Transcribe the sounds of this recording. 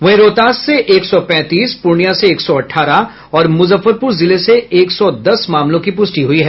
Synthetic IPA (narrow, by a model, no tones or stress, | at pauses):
ʋɐɦẽɾoːt̪aːsːeʔeːksɔpɛ̃ːt̪iːspʊɾnijaseeːksɔɐʈʰːaːɾa | ɔːɾmʊzəfːəɾpʊɾzɪleseeːksɔd̪ɐsmaːmlõkip̬ʊsʈiɦʊiɦɛː